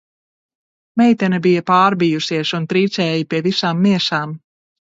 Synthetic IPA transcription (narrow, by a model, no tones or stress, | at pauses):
mɛjt̪ɛnɛbijɐpaːɾbijusiɛʃunt̪ɾiːt̪sɛːjipiɛvisaːmːiɛʃaːm